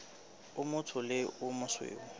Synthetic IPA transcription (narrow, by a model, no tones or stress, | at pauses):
ʊmʊtʰʊlɪʊmʊswḛːŋʊ